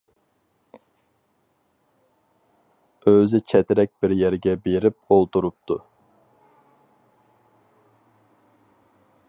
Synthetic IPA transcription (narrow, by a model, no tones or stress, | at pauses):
øzɪt͡ʃʰɛt̪ɪɾɛk̚ʲb̥ɪɾjɛɾɡʲɛbeɾɪp̚olˠt̪uɾup̚t̪ʰu